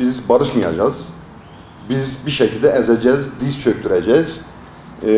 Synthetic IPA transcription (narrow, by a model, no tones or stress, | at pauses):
izbaɾɯʃmɯja̰d͡ʒaz̥ | bizbiʃɛcʰilʲd̪ɛɛzɛd͡ʒɛzd̪ist͡ʃʰøɾt̪ʰyɾɛd͡ʒɛz̥